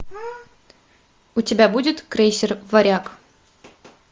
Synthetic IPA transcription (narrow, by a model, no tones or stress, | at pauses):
utʲebʲæbudʲɪt̪krʲejsʲɪrvɐɾʲɑk